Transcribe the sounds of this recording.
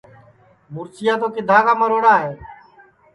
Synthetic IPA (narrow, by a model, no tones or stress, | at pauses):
mʊɾsɪjaːt̪oːkɪd̪ʱaːkaːməɾoːɽaːɦeː